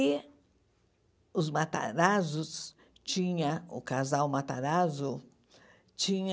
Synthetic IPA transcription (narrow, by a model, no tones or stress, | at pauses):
i | ʊzmat̪a̰ɾazʊs | t͡ʃĩɲɐ̃ʊ̰kazawmat̪aɾazʊ | t͡ʃĩɲ